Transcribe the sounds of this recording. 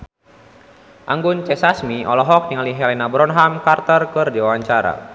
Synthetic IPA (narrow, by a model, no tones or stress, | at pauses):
ʔaŋɡʊnt͡ʃɛsasmiɔ̰lɔɦɔk̚niŋaliɦɛlɛnabɾɔnɦamkart̪ərkɨrdiwawaɲt͡ʃaɾa̰